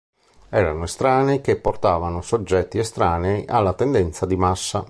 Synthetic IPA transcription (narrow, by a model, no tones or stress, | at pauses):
ɛːɾanoest̪ɾaːnek̟epːort̪aːvanosod͡ʒːɛt̪ːiest̪ɾaːneʔa̰lːat̪ɛnd̪ɛnt̪sad̪imasːa